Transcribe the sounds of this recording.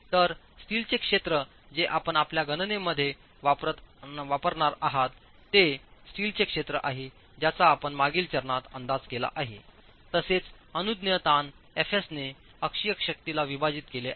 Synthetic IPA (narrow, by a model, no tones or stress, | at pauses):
t̪əɾsʈiːlt͡ɕekʂet̪ɾə | d͡zeʔapəɳapljaɡənəneməd̪ʱːje | ʋapət̪ʋapəɾɳaɾaɦat̪ː | esʈiːlt͡ɕekʂet̪ɾəʔaɦe | d͡ʑjat͡saːpəɳmaɡiːlt͡ɕəɾɳat̪ə̰nd̪ad͡zkela̰ʔaɦḛ | t̪əset͡s | ənud̪njət̪an | efesne | əkʂijəkɕək̚t̪ilaʋibad͡ziːt̪kele